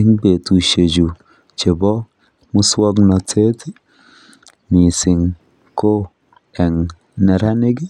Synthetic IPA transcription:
ɪ˦ŋbe˨tu˨ʃe˨d͡ʒu˨ | t͡ʃe˨bɔ˦ | mu˦swɔ˦knɔ˨tʰe˦t | mi˨sɪ˨ŋ | ko˦ | ɛ˨ŋ | nɛ˨ɾa˦nɪ˦ɡi˦

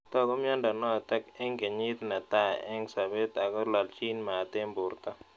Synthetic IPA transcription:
t̪ɔ˦kɔ˦mjɔ˦nda˨nɔ˦a˨t̪ɛ˦kɛ˦ŋke˨ɲɪ˦t̪na˨t̪a˦˨ɛ˦ŋsa˨be˦t̪a˨kɔ˦la˨lt͡ʃi˦nmaː˨t̪ɪ˦mbʊ˨ɾt̪a˦

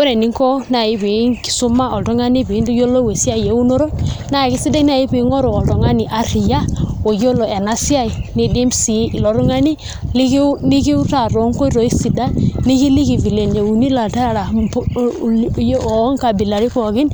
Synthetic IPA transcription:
we˦ɾe˨ni˨˦ŋkɔ˦na˨i˦pe˨˦nki̥˨su˦ma˦ɔ˨tɔ˦ŋa˦ni˦pi˨˦ndu˦jo˦lo˦we˨si˦a˦i˨je˨˦u˦no˦ɾo˦na˦˨ki˦si˦de˦n˦a˨i˦pi˨˦ŋɔ˦ɾo˨ɔ˨ltɔ˨ŋa˦ni˨ʔa˨ɾi˨ja˦o˨jo˦lo˨e˨na˦sa˦i˨ni˨di˦msi˨˦i˨lɔ˨ɾu˦ŋa˦ni˦ | li˦kni˦ki˦u˦ta˨ɾo˨˦ŋko˦i˦ɾo˨i˦si˨da˦ni˦ki˦li˦ki˨vi˨le˨nd͡ʒe˨u˨ni˦la˨ta˦ɾa˨ɾa˨˦ | jŋka˨bi˨la˨ɾi˦kɔ˨kɪ˦n

